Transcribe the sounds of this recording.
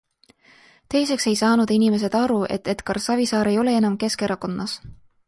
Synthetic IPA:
t̪e̞jse̞kse̞jsɑːnud̪̥inime̞s̬e̞d̪̥ɑɾuʔe̞̰t̪ːe̞t̪kɑrsɑvisɑːɾe̞jo̞le̞e̞nɑmke̞skeɾɑko̞nːɑs

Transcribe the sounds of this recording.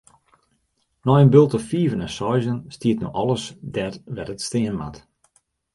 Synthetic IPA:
nɔjənbølˠtəfiːvənɛnsɔjzənstiətno̰ʔɔlˠəsdɛrʋɛtətstɪənma̰t

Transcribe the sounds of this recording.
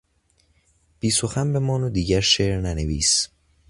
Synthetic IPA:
b̥iːsoxænbe̞mɒːnod̪iːɟæɾʃeːɾnæneviːs

